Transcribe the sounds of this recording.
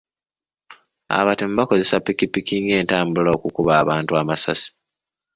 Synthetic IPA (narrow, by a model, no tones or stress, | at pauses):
a̰βatem̩bako̞ze̞sapːikipːikiŋɡe̞ːntaːmbulookukuβaːβaːntuamasasi̥